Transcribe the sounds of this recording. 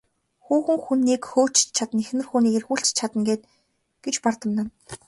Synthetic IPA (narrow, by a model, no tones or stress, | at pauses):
xuːxɘ̆ŋxunːiːkxoːt͡ɕt͡ɕʰat̪ə̆nexnɘ̆rxuːniːkerxuːɬt͡ɕt͡ɕʰat̪ə̆ŋɡeːt̪̚ | ɡ̥et͡ɕpart̪ə̆mnăn